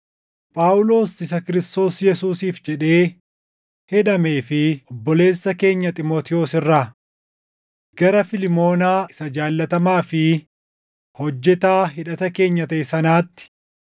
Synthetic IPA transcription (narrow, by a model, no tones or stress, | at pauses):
pʼaːʊlo̞ːsɪs̬ɐkɪɾɪst̪o̞ːsjɛsuːsiːfd͡ʒɛᶑe̞ː | hɛᶑɐme̞ːfɪʔɔbːɔle̞ːsːɐke̞ːɲːɐt̪ʼɪmoːt̪ɪo̞ːsɪrːaː | ɡ̥ɐɾɐfɪlɪmo̞ːnaːɪsɐd͡ʒaːlːɐt̪ɐmaːfɪ | hɔd͡ʒːɛt̪aːɦɪᶑɐt̪ɐke̞ːɲːɐt̪ɐʔɛsɐnaːt̪ːɪ̥